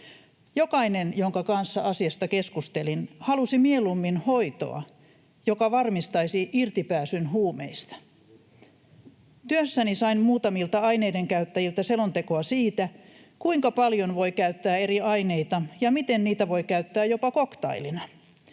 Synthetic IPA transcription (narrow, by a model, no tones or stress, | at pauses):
jokɑinenjoŋkɑkɑnsːɑɑsiɑst̪ɑkeskust̪elinhɑlusimielumːinhoit̪o̰ɑ̰ | jokɑʋɑrmist̪ɑisiʔirt̪ipæːsynhuːmḛist̪ɑ̥ | t̪yøsːænisɑinmuːt̪ɑmilt̪ɑɑineideŋkæyt̪ːæjilt̪æselont̪ekoɑsiːt̪æ | kuiŋkɑpɑljonʋoikæyt̪ːæːeriɑineit̪ɑjɑmit̪enniːt̪æʋoikæyt̪ːæːjopɑkokt̪ɑ̰ilinɑ